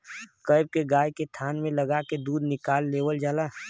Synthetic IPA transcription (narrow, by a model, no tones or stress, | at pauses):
kəɪb̚keɡaːjkest̪ʰaːnmẽləɡaked̪uːd̪nɪkaːlːeːwəld͡ʒaːlaː